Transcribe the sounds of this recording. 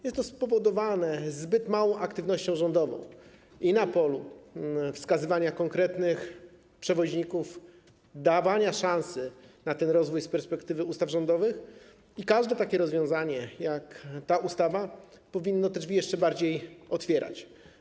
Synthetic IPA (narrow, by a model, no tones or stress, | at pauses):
jɛst̪ːɔspɔvɔd̪ɔvanɛzbɘt̪mawɔ̃w̃ʔakt̪ɘvnɔɕt͡ɕɔ̃w̃ʐɔnd̪ɔvɔ̰̃w̃ | inapɔlu | fskazɘvaɲakɔŋkɾɛt̪nɘx | pʂɛvɔʑɲikuf | d̪avaɲaʂãñsɘnat̪ɛnɾɔzvujspɛɾspɛkt̪ɘvɘust̪avʐɔ̃nd̪ɔvɘx | ikaʐd̪ɛt̪akʲɛɾɔzvjɔ̃w̃zaɲɛjakt̪aʔust̪ava | pɔvʲinːɔt̪ɛʐvʲijɛʂt͡ʂɛbaɾd͡ʑejɔt̪fʲjɛɾʔa̰t͡ɕ